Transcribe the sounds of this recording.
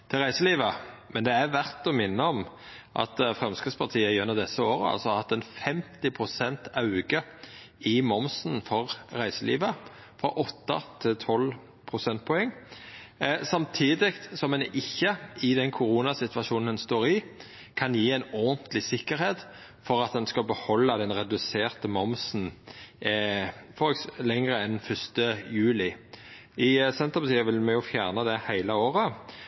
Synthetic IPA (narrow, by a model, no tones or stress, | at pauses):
t̪ʰɪlʁæɪsəliːʋəmɛnd̪ɛæʋæʁt̪ɔmɪnːəɔm | ʔɑ̰t̪fʁɛmskəspʰɑʁt̪ʰiːəɪɛnːəʁd̪ɛsːəoːɾə̰ɑ̰lsɔhɑt̪ːɛnfɛmt̪ɪpʰʁʊsɛnt̪ɑʉɡə | ɪmɔmsn̩fɔʁʁæɪsəlḭːʋə | fɾɔʔɔt̪ːɑt̪ʰɪlt̪ʰɔl | pʰʁʊsɛnt̪̚pʰɔɛŋː | sɑmt̪ʰiːd̪ɪkt̪sɔmɛnɪçːəɪd̪ɛnkʰʊɾuːnɑsɪt̪ʋɑʃuːnn̩d̪ɛnst̪oːɾɪ | kʰɑnjiːɛɪnɔnt̪ʰlɪsɪkːəɾheːt̪ | fɔɾɑt̪̚d̪ɛnskɑlbəhɔlːɑd̪ɛnʁɛd̪ʉseːʁt̪əmɔmsn̩ | fɔlɛŋʁəɛnfœst̪əjʉːlɪ | ɪsɛnt̪ʁəpʰɑt̪ʰiːəʋɪlmɛjʊfjæːʁnəd̪ɛhæɪləoːʁə